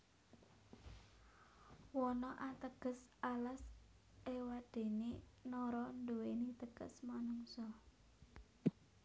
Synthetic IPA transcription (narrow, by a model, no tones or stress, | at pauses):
wɔnɔʔat̪əɡ̥ə̤salas | ewad̪̥e̤nenɔɾɔnd̪uwenit̪əɡ̥ə̰smanuŋsɔ